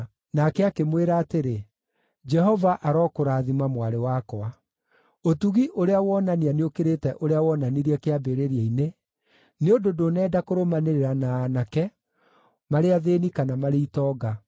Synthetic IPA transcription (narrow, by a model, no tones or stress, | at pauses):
nakɛakemweɾaːteɾe | d͡ʒɛɦɔvaʔaɾɔkoɾaːðimamwaɾewakɔa | otuɣiʔoɾeawɔnanianeokeɾetɛʔoɾeawɔnaniɾiɛkeabeɾeɾiaine | neododonɛːdakoɾomaneɾeɾanaːnakɛ | maɾeaðenikanamaɾeitɔːɡa